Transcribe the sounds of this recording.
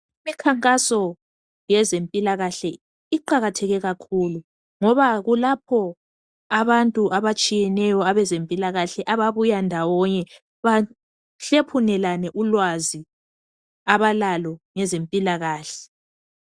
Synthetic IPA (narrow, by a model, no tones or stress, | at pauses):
imikʰaŋkʼasɔ | jɛzempʼilaɣaɬɛ | iǃaɣatʰɛɣɛɣakʰulu | ŋɔβaɣulapʰɔ | aβantʼuʔaβat͡ʃʼijɛnɛjɔaβɛzempʼilaɣaɬɛʔaβaβujandʱawɔɲɛ | βa | ɬepʰunɛlanɛʔulwazi | aβalalɔŋɛzempʼilaɣaːɬɛ̥